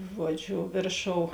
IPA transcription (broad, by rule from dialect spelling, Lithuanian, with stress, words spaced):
ˈʒuɔˌd͡ʒʲʊ ˈʋʲeːrˌʃoːʊ